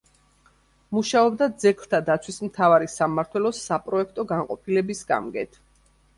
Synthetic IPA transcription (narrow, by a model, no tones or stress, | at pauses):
muʃaɔbd̪ad̪zɛkʰlˠt̪ʰad̪at̪sʰwismt̪ʰavaɾisamaɾt̪ʰwɛlɔsapʼɾɔɛkʰt̪ʼɔɡaɴqʼɔpʰilɛbisɡa̰mɡɛt̪ʰ